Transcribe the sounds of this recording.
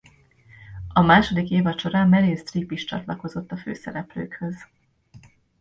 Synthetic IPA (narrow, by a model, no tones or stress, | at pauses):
ɒmaːʃo̞d̪ikeːvɒt͡ʃo̞ɾaːmmɛleːst̪ripiʃt͡ʃɒ̰t̪lɒko̞zo̞t̪ːɒfø̰ːsɛɾɛpløːkhøz̥